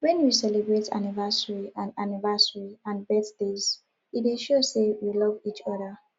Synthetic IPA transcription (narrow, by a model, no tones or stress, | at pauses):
wɛ̃njusɛlebɹetʰa̰nivasəɹiʔãnanivasəɹiãnbɛθdez̥ | iteʃosewilɔvit͡ʃɔðə